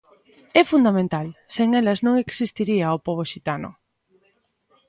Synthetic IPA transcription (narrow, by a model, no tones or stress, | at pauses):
ɛfund̪amẽnt̪alseŋɛlɐznõŋeksist̪iɾiaopoβ̞oʃit̪anʊ̰